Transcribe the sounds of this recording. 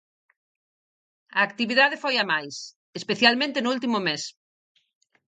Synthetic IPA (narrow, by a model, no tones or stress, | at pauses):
ɐːkt̪iβiðaðefojamajs | espeθjalmẽnt̪enʊult̪imʊmes